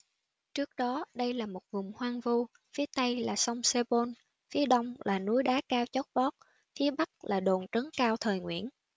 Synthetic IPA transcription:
t͡ɕɨ˦˥ək̚ɗɔ˨˦ɗə˧jlaː˨˩mo˨˩t̚vʊ˨˩ŋ͡mhwaː˧ŋvu˧ | fi˨˦ət̪ə˧jlaː˨˩sə˧wŋ͡mse˧ɓo˧n | fi˨˦əɗə˧wŋ͡mlaː˨˩nu˨˦jɗaː˨˦kaː˧wt͡ɕɔ˦˥k͡p̚ɓɔ˦˥t̚ | fi˨˦əɓa˦˥k̚laː˨˩ɗo˨˩nt͡ɕə˨˦ŋkaː˧wt̪ʰəː˨˩jŋwḭ˧˨ən

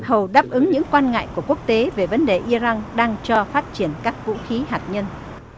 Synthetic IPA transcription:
hə˨˩wɗaː˦˥p̚ʔɨ˨˦ŋɲɨ̰˧˥ŋkwaː˧nŋa̰ː˧˨jku˧˩əku˦˥ək̚t̪e˨˦ve˨˩və˨˦nɗe˨˩ʔi˧za˧nɗaː˧ŋt͡ɕɔ˧faː˦˥t̚t͡ɕi˧˩ənkaː˦˥k̚vṵ˧˥xi˨˦ɦaː˨˩t̚ɲə˧n

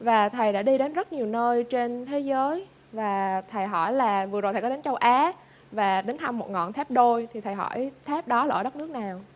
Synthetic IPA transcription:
vaː˨˩t̪ʰə˨˩jɗa̰ː˧˥ɗi˧ɗe˨˦nzə˦˥t̚ɲi˨˩wnəː˧jt͡ɕe˧nt̪ʰe˨˦zəː˨˦j | vaː˨˩t̪ʰə˨˩jɦɔ̰˧˩jlaː˨˩vɨ˨˩əzo˨˩jt̪ʰːkɔ˦ɗe˨˦nt͡ɕə˧wʔaː˨˦ | vaː˨˩ɗe˨˦nt̪ʰa˧mːo˨˩t̚ŋɔ̰˧˨nt̪ʰɛ˦˥p̚ɗo˧jt̪ʰi˨˩t̪ʰə˨˩jɦɔ̰˧˩jt̪ʰɛː˦˥p̚ɗɔ˨˦lːɗə˦˥t̚nɨ˦˥ək̚naː˨˩w

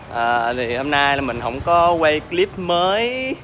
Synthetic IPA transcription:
ʔəː˨˩t̪ʰi˨˩ho˧mnaː˧ja˨˩mï˨˩ŋ̟ɦə̰˧˥wŋ͡mkɔ˨˦we˧jkli˦˥p̚məː˨˦j

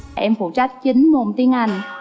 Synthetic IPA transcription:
ʔɛ˧mfu˧˩t͡ɕa˦˥t̚t͡ɕi˨˦ŋmo˨˩nt̪i˧˦əŋʔa˨˧˩jŋ̟

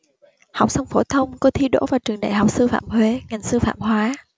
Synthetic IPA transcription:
ha˨˩wk͡p̚sa˧wŋ͡mfo˧˩t̪ʰə˧wŋ͡mkɔ˧t̪ʰi˧ɗo̰˧˥vaː˨˩wt͡ɕɨ˨˩əŋɗa̰ː˧˨jhwk͡p̚sɨ˧fa̰ː˧˨mhwe˧˦ŋa˨˩jŋ̟sɨ˧fa̰ː˧˨mɦwaː˨˦

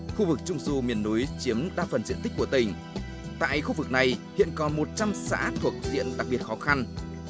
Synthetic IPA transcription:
xu˧vɨ˨˩k̚t͡ɕʊ˧ŋ͡msu˧mi˨˩ənːu˨˦jt͡ɕi˨˦əmɗaː˧fə˨˩nzḭ˧ənt̪ï̟˦˥ku˧˩ət̪ï˨˩ŋ̟ | t̪a̰ː˧˨jxu˧vɨ˨˩k̚na˨˩jhḭ˧˨ənkɔ˨˩nmo˨˩t̚t͡ɕa˧msa̰ː˧˥t̪ʰu˨˩ək̚zḭ˧˨ənɗa˨˩k̚ɓi˨˩ət̚xɔ˨˦xa˧n

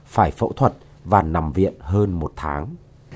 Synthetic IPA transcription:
faː˧˩jfə̰˧˥wt̪ʰwə˨˩t̚ | vaː˨˩na˨˩mvḭ˧˨ənɦəː˧nmo˨˩t̚t̪ʰaː˨˦ŋ

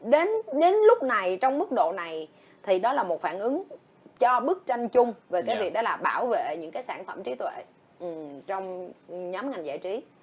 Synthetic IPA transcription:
ɗe˨˦nɗe˨˦nlʊ˦˥k͡p̚na˨˩jt͡ɕɔ˧wŋ͡mmɨ˦˥k̚ɗo̰˧˨na˨˩j | t̪ʰi˨˩ɗɔ˨˦laː˨˩mo˨˩t̚faː˧˩nʔɨ˨˦ŋ | t͡ɕɔ˧ɓɨ˦˥ək̚t͡ɕa˧jŋ̟t͡ɕʊ˧ŋ͡mve˨˩kaː˨˦jvi˨˩ək̚ɗɔ˨˦laː˨˩ɓaː˧˩wvḛ˧˨ɲɨ̰˧˥ŋkaː˨˦jsaː˧˩nfə˧˩mt͡ɕi˨˦t̪wḛ˧˨ | ʔt͡ɕɔ˧wŋ͡mɲɔ˨˦mŋa˨˩jŋ̟za̰ː˧˩˨jt͡ɕi˨˦

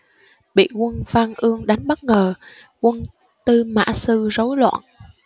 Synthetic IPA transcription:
ɓḭ˧˨kwə˧nvaː˧ŋʔɨ˧əŋɗa˨˦jŋ̟ɓə˦˥t̚ŋəː˨˩ | kwə˧n | t̪ɨ˧ma̰ː˧˥˨sɨ˧zə˨˦wlwa̰ː˧˨n

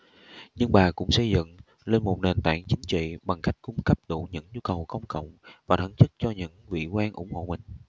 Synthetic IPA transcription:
ɲɨ˧ŋɓaː˨˩kʊ̰˧˥ŋ͡msə̰˧˩jzɨ̰˧˨ŋ | le˧nmo˨˩t̚ne˨˩nt̪a̰ː˧˩ŋt͡ɕï˨˦ŋ̟t͡ɕḭ˧˨ɓa˨˩ŋxa˦˥jk̟̚kʊ˧ŋ͡mkə˦˥p̚ɗu˧˩ɲɨ̰˧˥ŋɲu˧kə˨˩wkə˧wŋ͡mkə̰˧˨wŋ͡mvaː˨˩t̪ʰə˧˩˦nt͡ɕɨ˦˥k̚t͡ɕɔ˧ɲɨ̰˧˥ŋvḭ˧˨kwaː˧nʔʊ̰˧˥ŋ͡mho̰˧˨mï˨˩ŋ̟

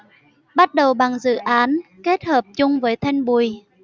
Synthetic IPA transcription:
ɓa˦˥t̚ɗə˨˩wɓa˨˩ŋzɨ̰˧˨ʔaː˨˦nke˦˥t̚həː˨˩p̚t͡ɕʊ˧ŋ͡mvəː˨˦jt̪ʰa˧jŋɓu˨˩j

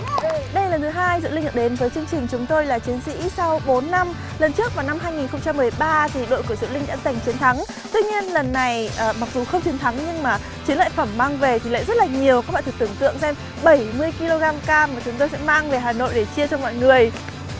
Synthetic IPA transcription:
ɗə˧jlaː˨˩nt̪ʰɨ˨˦ɦaː˧jzɨ̰˧˨lï˧a̰˧˨˩ɗe˨˦nvəː˨˦jt͡ɕɨ˧əŋt͡ɕï˨˩ŋ̟t͡ɕʊ˨˦ŋ͡mt̪o˧jlaː˨˩t͡ɕi˨˦ənsḭ˧˥sa˧wɓo˨˦nːa˧m | lə˨˩nt͡ɕɨ˦˥ək̚vaː˨˩na˧mɦaː˧jŋi˨˩nxə˧wŋ͡mt͡ɕa˧mː˨˩əjɓaː˧t̪ʰi˨˩ɗo̰˧˨jku˧˩əzɨ̰˧˨lï˧ŋ̟ɗa̰ː˧˥t̪i˨˩ŋ̟t͡ɕi˨˦ənt̪ʰa˨˦ŋ | t̪wi˧ɲi˧ənlə˨˩nːa˨˩jʔəː˨˩ma˨˩k̚zu˨˩xə˧wŋ͡mt͡ɕʰi˨˦ənt̪ʰa˨˦ŋɲɨ˧ŋmaː˨˩ | t͡ɕi˨˦nla̰ː˧˨jfə˧˩mːaː˧ŋve˨˩t̪ʰi˨˩la̰˧˨zə˦˥t̚laː˨˩ɲi˨˩əwka˧˦˥k̚ɓaː˧˨t̪ʰk̚t̪ɨ˧˩əŋt̪ɨ̰˧˨əŋsɛ˧m | ɓə˧˩jmɨ˧əjki˧lo˧ɣaː˧mkaː˧maː˨˩t͡ɕʊ˨˦ŋ͡mt̪o˧jsɛ̰˧˥maː˧ŋve˨˩ɦaː˨˩no̰˧˨jɗe˧˩t͡ɕi˧ət͡ɕɔ˧ŋ͡mmɔ̰˧˨jŋɨ˨˩əj

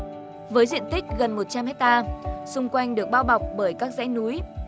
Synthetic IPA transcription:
vəː˨˦jzwḭ˧˨ənt̪ï˦˥k̟̚ɣə˨˩nmo˨˩t̚t͡ɕa˧mhɛ˦˥k̚t̪aː˧sʊ˧ŋ͡mkwa˧jŋ̟ɗɨ˨˩ək̚ɓaː˧wɓa˨˩wk͡p̚ɓəː˧˩jkaː˦˥k̚zɛ̰ː˧˥jnu˨˦j

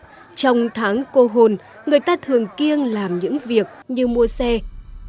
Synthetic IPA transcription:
t͡ɕɔ˧wŋ͡mt̪ʰaː˨˦ŋko˧ɦo˨˩n | ŋɨ˨˩əjt̪aː˧t̪ʰɨ˨˩əŋki˧ənlaː˨˩mɲɨ̰˧˥ŋvi˨˩ək̚ɲɨ˧mu˧əsɛ˧

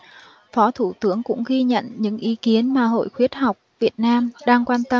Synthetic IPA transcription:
fɔ˨˦t̪ʰu˧˩t̪ɨ˨˦əŋkʊ̰˧˥ŋ͡mɣi˧ɲə̰˧˨nɲɨ̰˧˥ŋʔi˨˦ki˨˦ənmaː˨˩ɦo̰˧˨jxwi˦˥ət̚ha˨˩wk͡p̚vi˨˩ət̚naː˧mɗaː˧ŋkwaː˧nt̪ə˧

